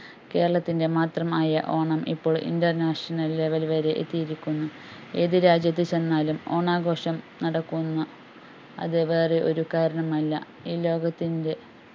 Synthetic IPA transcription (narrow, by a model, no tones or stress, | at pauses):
ke̞ːɾɐɭɐt̪ːinde̞maːt̪rɐmaːjɐʔo̞ːɳɐmḭpːo̞ːɭʔḭndɐrnaːʂɐnɐlːeʋɐlʋɐɾe̞ʔḛt̪ːijiɾikʲːunːu | e̞ːðɨɾaːd͡ʑjɐt̪̬ːɨt͡ɕe̞nːaːlumo̞ːɳaːɡo̞ːʂɐmnɐɽɐkːunːɐ | ɐ̰ðɨʋe̞ːreʔo̞̰ɾukaːɾɐɳɐmɐlːɐ̰ | iːlo̞ːɡɐt̪ːinde̞